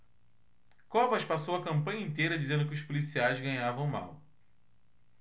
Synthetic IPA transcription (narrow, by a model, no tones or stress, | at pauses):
kɔpɐʃpasowɐkɐ̃mpɐ̃ɲɐĩnt̪ejɾɐd͡ʒizẽnd̪ʊkɪʊʃpolisiajzɡɐ̃ɲavɐ̃w̃ma̰w